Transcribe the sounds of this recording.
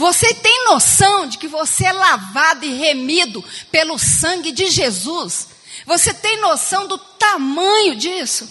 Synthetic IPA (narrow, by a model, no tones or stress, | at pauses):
voset̪ẽj̃nosɐ̃w̃d͡ʒɪkɪvoseɛlavad̪ʊɪɦemid̪ʊpelʊsɐ̃ɡɪd͡ʒɪʒezus | voset̪ẽj̃nosɐ̃w̃d̪ʊt̪amɐ̃ɲʊd͡ʒisʊ